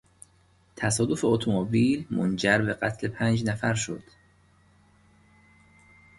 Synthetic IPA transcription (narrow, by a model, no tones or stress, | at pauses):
t̪ʰæsɒːd̪ofeot̪ʰomobiːlmo̰nd͡ʒæɾbe̞ɢæt̪ʰle̞pʰænd͡ʒnæfæɾʃo̞̰d̪̥